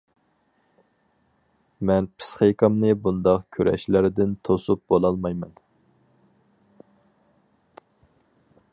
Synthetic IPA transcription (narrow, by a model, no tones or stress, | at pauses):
mɛnpʰɨ̥sχejkɑmnɨbund̪ɑqkʲʰøɾʔɛ̰ʃlɪɾɪd̪ɪnt̪ʰosup̚bolˠɑlˠmɑjmɛn